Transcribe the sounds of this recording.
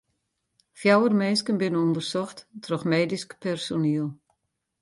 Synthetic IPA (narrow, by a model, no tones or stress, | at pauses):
fjawərmeːskənbɪnəɔndərsɔxttʰrɔxmeːdiskpɛrsoniəlˠ